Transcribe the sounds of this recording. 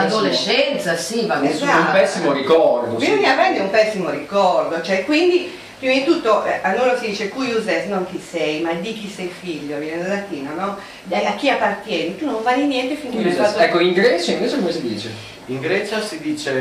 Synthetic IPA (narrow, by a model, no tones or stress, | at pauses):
ad̪oleʃːɛnt̪sasivaesaumpɛsːimoɾikɔɾd̪obizoɲːapɾɛnd̪eumpɛsːimoɾikɔrd̪ot͡ʃoɛkːwind̪i | pɾimad̪it̪ut̪ːoʔɛanːonosid̪iːt͡ʃekujuzɛsnoŋk̟isɛjmad̪ik̟isɛjfiʎːoavjɛned̪alat̪iːnonɔ | aakːiapːart̪jɛːnit̪unːoɱvaːlinjɛnt̪efiŋkeeaɛkːoiŋɡɾɛːt͡ʃaiɱveːt͡ʃekomesid̪iːt͡ʃe | iŋɡɾɛt͡ʃasid̪iːt͡ʃe